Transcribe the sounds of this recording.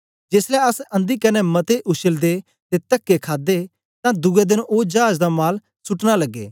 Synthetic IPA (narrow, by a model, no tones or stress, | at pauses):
d͡ʒeːslɛɐsɐ̃nd̪ikɐnɛmɐt̪eʔʊʃəld̪e | t̪et̪ɐkːekʰaːd̪e | t̪ãd̪ʊɡɛd̪ɪnoːd͡ʒaːd͡ʒd̪amaːl | sʊʈnalɐɡːḛː